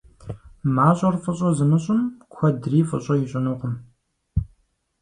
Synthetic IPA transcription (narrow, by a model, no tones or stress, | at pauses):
maːɕʼɐrfʼɨɕʼɔzɨmɨɕʼʊmkʷʰɐdriːfʼɨ̰ɕʼɔjɪɕʼɪnuqʷʊm